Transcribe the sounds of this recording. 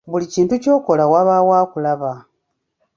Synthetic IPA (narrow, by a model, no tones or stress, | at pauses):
βuliciːntuco̞ːko̞lawaβawaːkulaβa